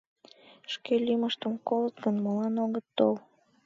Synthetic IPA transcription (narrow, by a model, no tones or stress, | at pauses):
ʃkelyməʃt̪əmkolət̪ɡənmolɑnoɣət̪ːol